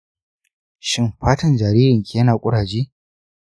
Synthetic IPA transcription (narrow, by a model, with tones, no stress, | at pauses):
ʃɪ˦mɸaː˦tɐ˦nd͡ʒaː˨ɾiː˦ɾɪ˨ŋkʲe˦ɐ˦naː˨kʷʼʊ˦ɽaː˨d͡ʒiː˦